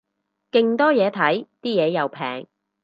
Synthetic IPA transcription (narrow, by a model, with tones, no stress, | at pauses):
kɪ˨˧ŋt̪ɔː˥jɛː˨˧t̪ʰɐ˨˥jt̪iː˥jɛː˨˧jɐ˨˧wpʰɛ̰ː˨˩ŋ